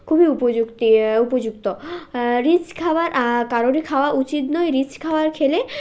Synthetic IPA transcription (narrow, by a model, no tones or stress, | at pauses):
kʰubʱiupod͡ʑukt̪iupod͡ʑukt̪oɾit͡ɕkʰawaɾʔkaɾoɾikʰaoaʔut͡ɕit̪nɔeɾit͡ɕkʰaoaɾkʰele